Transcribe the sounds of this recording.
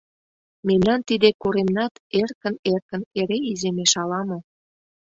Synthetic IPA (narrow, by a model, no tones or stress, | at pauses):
memnɑnt̪id̪ekoɾemnɑt̪erkə̆nerkə̆neɾeizemeʃɑlɑmɤ̆